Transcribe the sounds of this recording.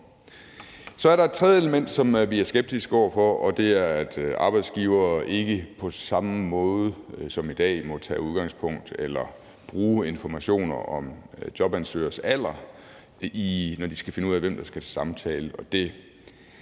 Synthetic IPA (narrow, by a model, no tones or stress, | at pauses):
sɒ̽æɐɾɑ̈e̝̥t͡sʰʁɛð̞ˠəeləmen̰d̥sɒ̽mʋiæɐsɡ̥eb̥̚d̥isɡ̥ɒʊ̰ɐfɒʔɒ̽d̥e̝æɐæd̥ɑ̈ːb̥ɑ̈ɪd̥sɡ̥iʊɐːʔe̝ɡ̥əpʰɒ̽sɑ̈məmɔ̽ːðˠəsɒ̽mid̥ɛ̰ːmɒ̽t͡sʰɛ̰ːuð̞ˠɡ̥ɑ̈ŋspʰɔ̽ŋ̰d̥elɐ | b̥ʁuːe̝nfɒmæɕo̝̰ːnɐ̰ɒ̽md̥jɒ̽b̥ænsø̰ːɐsæl̰ɐ | inɒd̥isɡ̥æfe̝nəuð̰ˠæʋemd̥ɑ̈sɡ̥æsɑ̈mt͡sʰɛːləɒ̽d̥e̝